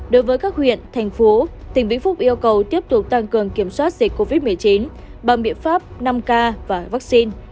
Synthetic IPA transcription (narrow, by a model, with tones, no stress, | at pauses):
ɗo˨˦jvəː˨˦jkaː˦˥k̚hwḭ˧˨ənt̪ʰɛ˨˩jŋ̟fo˨˦t̪ï˨˩ŋ̟ɓḭ˧˥fʊ˦˥p̚ʔi˧əwkə˨˩wt̪i˦˥əp̚t̪ʊ˨˩k͡p̚t̪a˧ŋkɨ˨˩əŋki˧˩əmswaː˦˥t̚z̥i˨˩k̟̚ʲko˧vi˦˥t̚mɨ˨˩əjt͡ɕi˨˦n | ɓa˨˩ŋɓḭ˧˨ənfaː˦˥p̚na˧mkaː˧vaː˨˩vaː˦˥k̚si˧n